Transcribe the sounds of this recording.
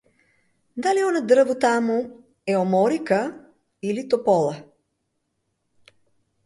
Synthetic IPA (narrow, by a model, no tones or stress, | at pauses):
d̪aliɔnɐd̪ɾvot̪amu | ɛomɔɾikə | ilit̪opɔlˠə